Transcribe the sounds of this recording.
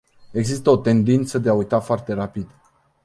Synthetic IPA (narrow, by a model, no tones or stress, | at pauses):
e̞ɡzist̪əo̞t̪e̞nd̪int̪səd̪e̞aujt̪afoart̪e̞ɾapid̪̥